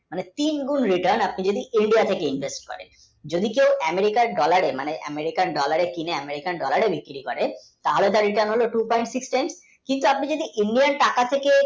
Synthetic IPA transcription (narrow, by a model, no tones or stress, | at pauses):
manet̪inɡunɾiʈaɾnapnid͡ʑod̪iiɳɖijat̪ʰekeinvʱesʈ̚kɔ̰ɾḛn | d͡ʑod̪ikewɛmeɾikaɾɖɔlaɾemaneʔɛ̰meɾikanɖɔlaɾekineɛmeɾikanɖɔlaɾebʱikɾikɔɾe | t̪aɦolet̪̬aɾɾiʈəɾnɦoloʈupɔjɳʈsiksʈajms | kint̪uapnid͡ʑod̪iʔiɳɖianʈakat̪ʰeke